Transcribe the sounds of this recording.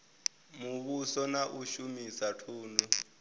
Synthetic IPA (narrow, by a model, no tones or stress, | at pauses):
muβusɔnaʔuʃumisatʰuːndu